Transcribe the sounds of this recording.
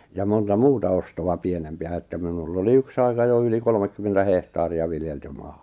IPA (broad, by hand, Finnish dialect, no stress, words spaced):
jɑ montɑ muːtɑ ostowɑ pienempĭæ etːæ minulː oli yks ɑikɑ jo yli kolŏmekːymːentæ hehtɑːriɑ ʋiljeltyː m̥ɑ̥ː